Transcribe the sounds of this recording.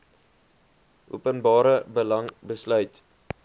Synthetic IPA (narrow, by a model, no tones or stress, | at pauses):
ʔṵəpənbɑːɾəbəlɐŋbəslœɥt